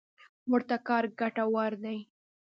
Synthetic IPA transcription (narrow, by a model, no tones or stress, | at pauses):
mʊɾt̪akɑɾɡaʈawɑɾd̪aj